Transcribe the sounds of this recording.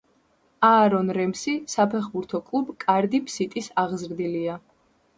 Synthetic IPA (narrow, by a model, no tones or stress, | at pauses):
aːɾɔnɾɛmsisapʰɛχbuɾt̪ʰɔkʼlˠubkʼaɾd̪ipʰsit̪ʼisaʁzɾd̪ilia